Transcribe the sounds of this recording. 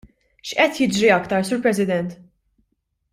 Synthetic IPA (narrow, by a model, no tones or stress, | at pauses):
ʃʔɛt̪jɪd͡ʒɾiɐkt̪ɐɾsuːɾpɾɛs̬ɪd̪ɛnt̪